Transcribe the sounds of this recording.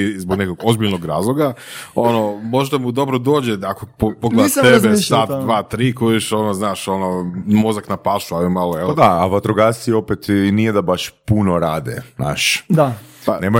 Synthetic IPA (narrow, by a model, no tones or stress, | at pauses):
izboɡnekoɡo̞zbiʎnoɡɾaːzlˠoɡaono̞mo̞ʒd̪amud̪o̞bɾod̪oːd͡ʑeakopopoɡled̪aebesat̪d̪ʋaːt̪ɾiːkoiʃonoznaːʃo̞nomo̞zaknapaʃualimalojeld̪aaʋat̪ɾoɡasio̞pet̪nijed̪abaʃpunoɾaːd̪ḛna̰ːʃaneːmo